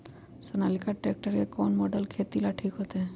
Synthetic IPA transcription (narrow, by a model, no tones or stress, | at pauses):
sonalikaʈɾek̚ʈaɾkekɔnmɔɖelkʰet̪ilaʈʰikɦot̪e